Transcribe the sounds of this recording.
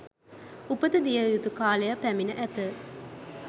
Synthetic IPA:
upət̪əd̪ijəjut̪ukaːlejapæminəʔæt̪ə

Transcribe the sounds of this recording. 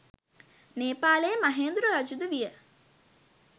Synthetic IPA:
neːpaːləjəmaɦeːnd̪ɾuɾad͡ʒud̪uʋijə

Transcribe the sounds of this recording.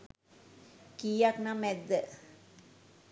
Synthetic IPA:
kijaknamæd̪ːə

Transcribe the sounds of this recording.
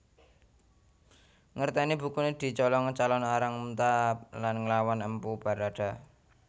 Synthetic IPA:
ŋərt̪ɛnib̥ṳkuned̪̥i̤t͡ʃɔlɔŋət͡ʃalɔnaɾaŋmut̪alanŋəlawanəmpub̥a̤ɾaɖ̥a̤

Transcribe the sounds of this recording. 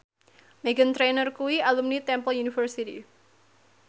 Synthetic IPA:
meɡənt̪ɾenərkuwialumnit̪ɛmpəljunifərsitḭ

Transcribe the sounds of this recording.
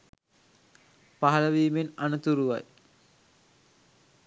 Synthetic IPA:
paɦɐləʋiːmenanət̪uɾuʋa̰j

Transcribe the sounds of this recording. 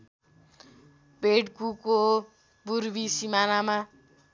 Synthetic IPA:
beʈkuko | buɾbisimanama

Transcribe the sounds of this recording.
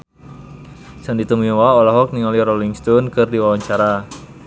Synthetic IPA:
sandit̪umiwaɔlaɦɔk̚niŋɔliɾɔliŋst̪ɔnkɨrdiwawaɲt͡ʃaɾa

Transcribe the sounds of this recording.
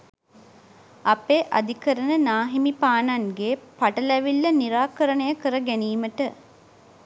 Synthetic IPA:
apeːʔad̪ikəɾənənaːɦimipaːnaŋɡeːpaʈəlæʋilːəniɾaːkəɾənəjəkəɾəɡæniːməʈə

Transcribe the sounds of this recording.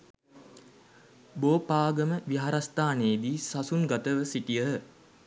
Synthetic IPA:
boːpaːɡəməʋiɦaɾast̪aːneːd̪iːsasunɡat̪əʋəsiʈijəɦə

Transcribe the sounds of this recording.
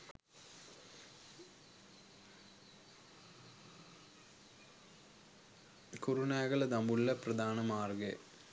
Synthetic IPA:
kurunaːɣɐlɐd̪ɐmulːɐprɐd̪aːnɐmaːrɡe

